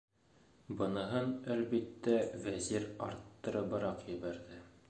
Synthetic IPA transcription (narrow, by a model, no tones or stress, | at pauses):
bɤ̆nɤ̆ɦɤnælbit̪ːævæziɾɑ̰ɾt̪ːɤ̆ɾɤ̆bɤ̆ɾɑqjɘ̆bæɾðɘ